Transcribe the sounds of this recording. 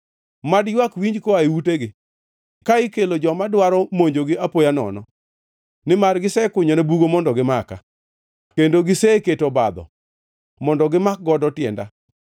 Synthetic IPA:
madjwakwiɲd͡ʒkoaiwuteɡɪ | kaɪkelod͡ʒɔmadwaɾɔmoɲd͡ʒoɡɪapojanɔ̰nɔ | nɪmarɡɪsɛkʊɲɔnebuɡomɔndɔɡɪmaka̰ | kendoɡɪseketobad̪ɔ̰ | mɔndɔɡɪmak̚ɡɔdɔtjɛnda̰

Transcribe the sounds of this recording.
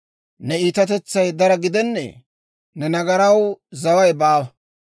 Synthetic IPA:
nɛiːt̪ɐt̪ɛt͡sːɐjd̪ɐɾɐɡɪd̪ɛnːḛː | nɛnɐɡɐɾɐwzɐwɐjbaːwɐ

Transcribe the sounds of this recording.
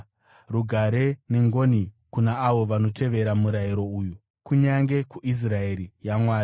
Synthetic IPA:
ruɡʱaɾene̞ŋɡo̞ni | kunaːʋo̞ʋano̞te̞ʋe̞ɾamuɾajiɾo̞uju | kuɲaŋɡe̞kuʔis̬rae̞ɾijamwaːɾi

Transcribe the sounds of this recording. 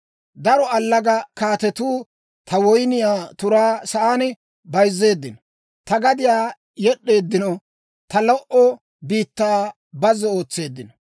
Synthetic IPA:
d̪ɐɾɔɐlːɐɡɐkaːt̪ɛt̪uː | t̪ʰɐwɔjnɪjaːt̪ʊɾaːsɐʔaːnɪ | bɐjzːe̞ːd̪ːɪnɐ | t̪ɐɡɐd̪ɪjaː | jɛɗːe̞ːd̪ːɪnɔ | t̪ɐlɔʔɔ | biːt̪ːaː | bɐzɛo̞ːt͡sːe̞ːd̪ːɪnɐ

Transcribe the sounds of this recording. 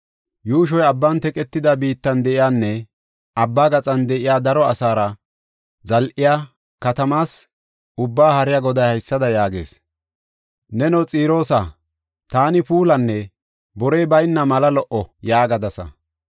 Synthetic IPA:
juːʃɔjɐbːɐnt̪ɛkʼɛt̪ːɪd̪ɐbiːt̪ːɐnd̪ɛʔɪjaːnːɛ | ʔɐbːaːɡɐt͡sʼɐnd̪ɛʔɪjaːd̪ɐɾɔɐsaːɾɐ | zɐlʔɪjaː | kɐt̪ɐmaːs | ʊbːaːhɐɾɪjaɡɔd̪ɐjhɐjsːɐd̪ɐjaːɡḛːs | nɛnɔt͡sʼiːɾo̞ːsɐ | t̪aːnɪpuːlɐnːɛ | bɔɾɛjbɐjnːɐmɐlɐlɔʔɔjaːɡɐd̪ɐsɐ̰

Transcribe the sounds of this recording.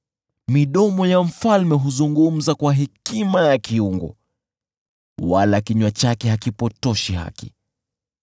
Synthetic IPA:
miɗɔmɔjam̩falmɛɦuzuŋɡum̩zakwaɦɛkimajakiuŋɡɔ̰ | walakiɲwat͡ʃakɛhakipɔtɔʃiɦa̰kḭ

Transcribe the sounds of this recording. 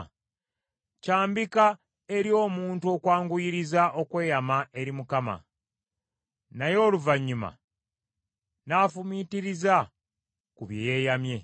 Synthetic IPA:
caːmbika | e̞ɾjo̞ːmuːntuo̞kwaːŋɡujiɾizaʔo̞kwe̞ːjamae̞ɾimukama̰ | najo̞ːluvaɲːuma̰ | naːfumitiɾiza | kuβjejeːjamje̞

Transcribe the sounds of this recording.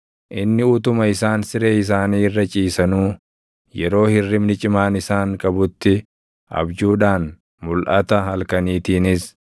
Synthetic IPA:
ʔɪnːɪʊt̪ʊmɐɪsaːnsɪɾeːɪs̬aːniːɪrːɐt͡ʃʼiːsɐnuː | jɛɾo̞ːhɪrːɪmnɪt͡ʃʼɪmaːnɪsaːŋkʼɐbʊt̪ːɪ | ʔɐ̰bd͡ʒuːᶑaːn | mʊlʔɐt̪ɐɦɐlkɐniːt̪iːnɪs

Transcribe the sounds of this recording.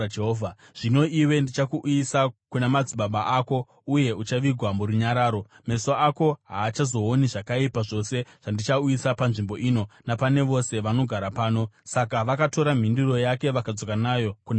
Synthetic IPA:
eɦoːvʱa | ʐ̥ino̞iwe̞ndit͡ʃakuʔisakunemad͡ziɓaɓaʔako̞ | uje̞ut͡ʃaʋiɡʱwamuɾuɲaɾaːɾo̞ | me̞soako̞ɦaːt͡ʃazo̞ːniʐakaipaʐo̞se̞ʐ̥andit͡ʃaujisapanʐimbo̞iːno̞napane̞ʋo̞se̞ʋano̞ɡʱaɾapaːno̞sakaʋakato̞ɾam̤indiro̞jake̞ʋakad͡zo̞kanajo̞kun

